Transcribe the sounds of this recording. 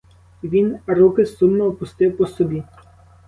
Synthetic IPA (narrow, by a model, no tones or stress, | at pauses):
ʋʲinɾukɪsumnɔɔpʊst̪ɪwpɔsɔbʲi